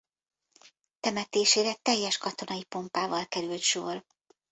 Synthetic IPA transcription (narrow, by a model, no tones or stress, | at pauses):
t̪ɛmɛt̪eːʃeːɾɛt̪ɛjːɛʃkɒt̪o̞nɒipo̞mpaːvɒlkɛɾylt̪ʃoːr